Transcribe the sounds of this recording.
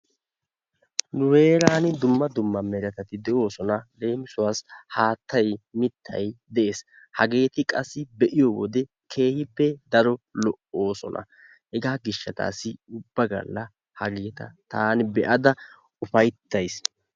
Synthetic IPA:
nʊwe̞ːɾaːnɪd̪ʊmːɐd̪ʊmːɐmɛɾɐt̪ɐt̪ɪd̪ɛʔo̞ːsɔnɐd̪e̞ːmɪsʊwaːshaːt̪ʰːɐjmɪt̪ʰːɐ̰jd̪ɛʔe̞ːs | hɐɡe̞ːt̪ɪkʼɐsːɪbɛʔɪjowɔd̪ɛ | kʰe̞ːhɪbːɛd̪ɐɾɔlɔʔo̞ːsɔ̰nʔɐ̰ | hɛɡaːɡɪʃːɐt̪a̰ːsːɪʊbːɐɡɐ̰lːɐ | hɐɡeːt̪ɐ̰t̪aːnɪbɛʔɐd̪ɐ | ʊfɐjt̪ːɐjs

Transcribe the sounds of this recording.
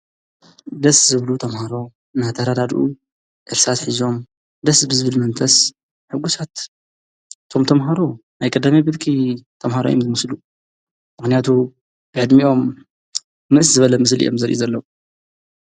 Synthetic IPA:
d̪ɐszɨβlut̪ʰɐmhaɾo̞ | nat̪ʰɐɾad̪ad̪ʔu | ʔɨɾsat̪ħizo̞m | d̪ɐsbɨzɨβɨlmɐnt̪ʰɐs | ħɨɡusat̪ | t̪ʰo̞mt̪ʰɐmɦaɾonajkʼɐd̪amɐbɨlkʰit̪ʰɐmhaɾo̰jomzɨmɐslu | mɨxnijat̪ʰu | b̥ɨʕɨd̪miʔo̞mː | ɨʔszɨβɐlɐmɨs̬lḭʔo̞̰mzɐɾʔṵzɐlːɐwu

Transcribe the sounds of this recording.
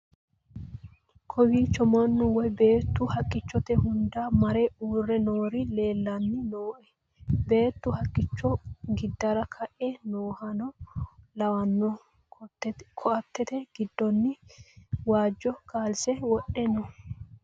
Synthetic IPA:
kʰɔbiːt͡ʃːɔmɐnːʊwɔjbeːt̪ːʊhɐkʼːɪt͡ʃːɔt̪ɛhʊnd̪amɐɾɛuːrːɛnoːɾɪle̞ːlːɐnːɪnoːʔɛ | be̞ːt̪ːʊhɐkʼːɪt͡ʃːɔɡɪd̪ːɐɾɐkʰɐʔɛnoːhɐnɔlɐwɐnːɔ | kʰɔʔɐt̪ːɛt̪ɛɡ̥ɪd̪ːɔnːɪ | waːd͡ʒːɔkaːlsɛwɔʔɛnɔ

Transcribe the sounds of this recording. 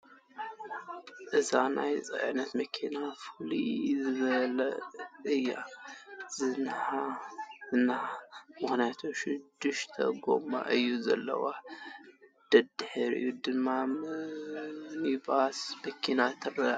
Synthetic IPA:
ʔɨzanʔa̰jt͡sʼɐ̰ʔʕnɐt̪mɐkʰinafɨlizɨβɐlɐʔɨjːa̰ | zɨnhazɨnamɨxnijat̪ʰoʃɪd̪ːɨʃt̪ʰɐ̰ɡo̰ma̰ʔɨjːuzɐ̰lːɐ̰wa | d̪̥ɐd̪ħɨɾʔɨ̰jːud̪ɨmːa | nibasmɐkʰːinat̪ʰɐrɐ

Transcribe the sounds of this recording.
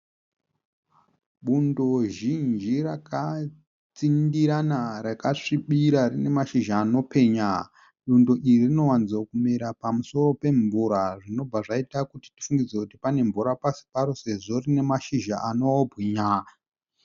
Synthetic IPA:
ɓundo̞ʒind͡ʒiraka | t͡sindiɾanaɾakaʂiɓiɾarine̞maʃiʒaːno̞pe̞ɲa | ɗundo̞ʔiririno̞wanid͡zokumiɾapamuso̞ro̞pe̞ɱvuɾaʐino̞b͡vaʐaitakuti̥ti̥fuŋɡid͡zekutipane̞ɱvuɾapasi̥paɾo̞se̞ʐo̞rine̞maʃiʒa̰ʔanoobʱwiɲa

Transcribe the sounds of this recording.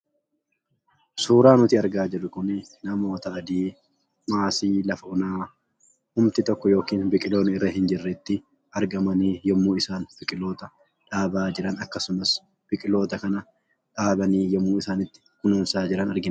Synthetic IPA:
suːɾaːnʊt̪iːɐɾɡaːd͡ʒɛᶑʊkʊnnɐmo̞ːt̪ɐɐd̪iː | maːsiːlɐfɐʔʊnaː | hʊmt̪ɪt̪ɔkːɔjo̞ːkiːnbɪkʼɪlo̞ːnɪɪrːɐɦɪnd͡ʒɪrːɛt̪ːɪ | ɐɾɡɐmɐniːjɔmːuːɪsaːnb̥ɪkʼɪlo̞ːt̪ɐ | ᶑaːbaːd͡ʒɪɾɐnɐkːɐsʊmɐs | b̥ɪkʼɪlo̞ːt̪ɐkɐnɐ | ᶑaːbɐniːjɔmːuːɪsaːnɪt̪ːɪ̥kʊnʊːnsaːd͡ʒɪɾɐnɐɾɡɪn

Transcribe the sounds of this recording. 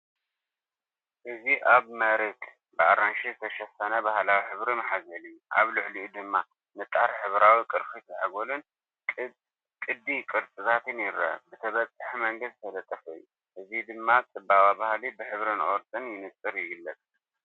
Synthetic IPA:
ʔɨziʔaβmɐɾet̪ | bɨaɾanʃizɨt̪ʰɐʃɐsɐnɐbahlawiħɨβɾimħazɐliuʔa̰βlʊʕliʔud̪ɨmːa | nɨt̪ʼːaɾħɨβɾawikʼɨɾxit̪ʰɐʕa̰ɡolun | kʼɨd̪ːikʼɨɾt͡sʼɨzat̪ʰɨnjɪɾɐ̰bɨt̪ʰɐβɐt͡sʼːɨħmɐŋɡɨzt̪ʰɐlɐt̪ʼːɐfujːu | ʔɨzid̪ɨmːat͡sʼɨbawabahlibɨħɨβɾɨnʔoɾt̪ʼɨnjɪnɨt͡sʼɨɾjɪɡɨlːɐt͡sʼ

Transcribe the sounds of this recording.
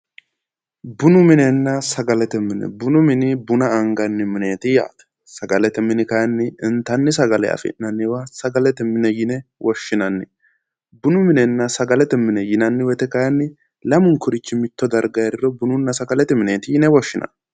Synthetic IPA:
bʊnʊmɪnɛnːɐsɐɡɐlɛt̪ɛmɪnɛ̰bʊnʊmɪnɪbʊnɐːŋɡɐnːɪmɪneːt̪ɪja̰ːt̪ɛ̥ | sɐɡɐlɛt̪ɛmɪnɪkɐjɐnːɪɪnt̪ɐnːɪs̬ɐɡɐlɛ̰ɐ̰fɪ̰ʔnɐnːɪwɐsɐɡɐlɛt̪ɛmɪnɛjɪnɛwʔɔʃːɪnɐnːɪ | bʊnʊmɪnɛnːɐsɐɡɐlɛt̪ɛmɪnɛjɪnɐnːɪwɛt̪ɛkɐjɐnːɪ | lɐmʊŋkʊɾɪt͡ʃːɪmɪt̪ːɔd̪ɐɾɡɐjɐd̪ɪɾɔbʊnʊnːɐsɐɡɐlɛt̪ɛmɪneːt̪ɪjɪnɛwɔʃːɪnɐ̰n

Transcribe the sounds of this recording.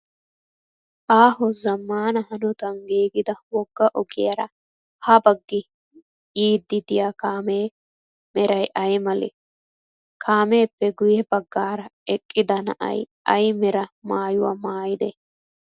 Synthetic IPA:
ʔaːɦɔzɐmːaːnɐhɐnʊt̪ɐŋɡeːɡɪd̪ɐwɔɡːɐʔɔkɪjɐɾɐ | hɐbɐɡːɪ | iːd̪ːɪd̪ɪjakaːmeː | mɛɾɐjʔɐjmɐlɛ̰ | kʰaːme̞ːpːɛɡʊjɛbɐɡːaːɾɐɛkʼːɪd̪ɐnɐ̰ʔɐ̰j | ɐjmɛɾɐmaːjʊwɐ̰maːjɪd̪ɛ

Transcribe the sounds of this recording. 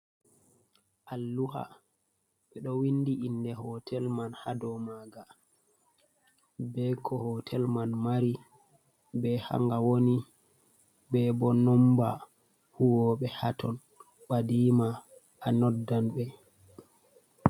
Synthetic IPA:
ʔalːuha̰ | ɓɛɗɔwinːdiʔinːdɛhɔtʰɛlmanhadɔmaɡa | bɛkʰɔhɔtʰɛlmanmaɾi | bɛha̰ŋɡawoni | bɛbɔnɔmba | huwɔɓɛhatʰɔn | ɓadiːmaː | nɔdːanɓɛ

